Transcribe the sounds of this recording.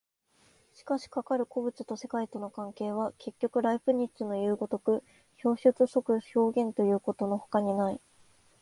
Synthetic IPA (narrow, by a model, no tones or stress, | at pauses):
ɕi̥kaɕi̥kakaɾɯ̟ko̞bɯ̟t͡sɨt̪o̞se̞kait̪o̞no̞kãŋke̞ːβ̞ake̞kʲːo̞kɯ̟ɾaiɸɯ̟ɲ̟it͡sɨno̞jɯːɡo̞t̪o̞kɯ̟ | ço̞ːɕɨt͡sɨso̞kɯ̟ço̞ːɡẽ̞nt̪o̞jɯ̟ːko̞t̪o̞no̞ho̥kaɲ̟inai